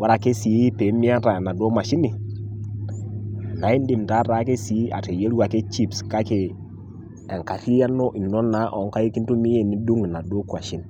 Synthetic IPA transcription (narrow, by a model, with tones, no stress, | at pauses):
wa˦ɾa˨ke˦si˨˦pe˨˦mi˦a˦ta˨na˨do˦ma˨ʃi˦ni˨ | na˨i˦n˦di˨mta˦ɾa˨˦ke˦si˨˦a̰˨te˨je˦lu˦a˨ke˦t͡ʃi˦˨pska˦ke˨ | e˨ŋka˨ti˦ja˦no˦ʔi˨no˦na˦ʔɔ˨˦ŋka˦ji˦ki˦n˦to˦mi˦je˦˨ni˦du˦ŋ˨na˨do˦kwa˨ʃi˦n